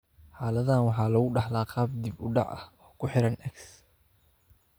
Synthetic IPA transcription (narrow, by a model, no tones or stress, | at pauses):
ħɑːlɐðaːnwɑħɑːlɐɣʊɖɑħlaːqʰɑːbd̪ɪbʊɖɑ̰ʕɐ̰hɔːkʰʊħɪɾɐnʔɛks